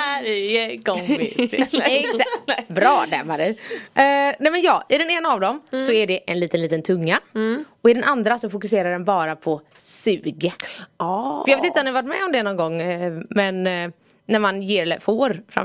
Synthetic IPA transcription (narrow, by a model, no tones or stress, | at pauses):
ɡɔŋ̰ | ɛ | bɾɑːd̪ɛ̰mːaɾɛ | nɛmɛnjɑːɪd̪ɛneːnaːvd̪ɔmsɔæɖɛʔɛnliːt̪ənliːt̪ənt̪ʰɵŋːaɔɪd̪ɛnʔand̪ɾasɔfʊkɵseːɾaɖɛnbɑːɾapʰɔ | sʉːɡə | əjɑːveːt̪ɪnt̪ɔmnɪhavaʈmɛɔmd̪ɛnɔnɡɔŋːmɛnː | æɾmanjeːɾɛlfoːɾfɾa̰